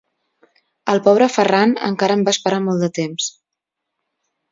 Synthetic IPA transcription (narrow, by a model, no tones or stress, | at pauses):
əlˠpɔβ̞ɾəfəranə̰ŋkaɾəmbaːspəɾamɔlˠd̪ət̪ems